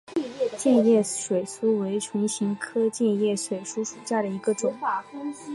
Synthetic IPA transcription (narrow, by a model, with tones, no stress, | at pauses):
t͡ɕjɛ˥˧njɛ˥˩ʂwe˨˩ɪsu˥we˧˥ɪʈ͡ʂʰʊ˧˥ŋɕi˧˥ŋkʰɤ˥t͡ɕjɛ˥˧njɛ˥˩ʂwe˨˩ɪʂu˥ʂu˨˩ɕja˥˩d̪ə˩i˧˥ɡə˧ʈ͡ʂʊ˨˩ŋa˥˧˩kʊ˥ŋ˥